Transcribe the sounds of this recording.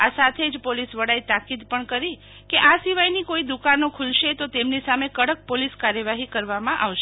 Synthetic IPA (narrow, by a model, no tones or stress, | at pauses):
asat̪ʰed͡ʒpolisʋəɽait̪akid̪pəɳkəɾi | keʔasiʋajnikoid̪ukanokʰulʃet̪ot̪emnisamekəɽək̚poliskaɾjəʋaɦikəɾʋamãʔaʋʃe